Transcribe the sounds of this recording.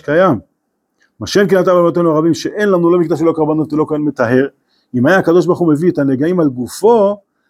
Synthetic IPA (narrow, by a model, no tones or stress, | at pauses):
kajam | maʃemk̬enat̪abalmat̪enuaʁabimʃeʔenlamnulo̞mikd̪aʃ̬elokaʁbanot̪zelo̞koenmet̪aɦe̞ʁ | imajaːkad̪o̞ʃ̬baʁχume̞viet̪aneɡaimalɡufo̞